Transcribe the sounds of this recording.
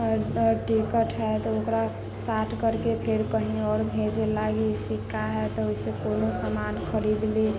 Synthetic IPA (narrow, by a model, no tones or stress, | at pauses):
ʈikəʈɦɛt̪ɔokɾa | saʈʰkəɾkepʰeɾkəɦĩɔːɾbʱẽd͡ʒelaɡisikːaɦɛt̪ɔoisekonosamanxʰəɾid̪le